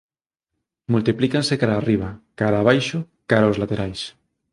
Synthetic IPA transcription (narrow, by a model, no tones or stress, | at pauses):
mult̪iplikansekaɾaːriβ̞akaɾaːβ̞ajʃo | kaɾaozlat̪eɾajs